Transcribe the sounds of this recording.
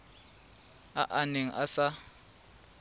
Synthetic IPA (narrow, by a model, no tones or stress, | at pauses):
aʔaneŋ̩ʔasa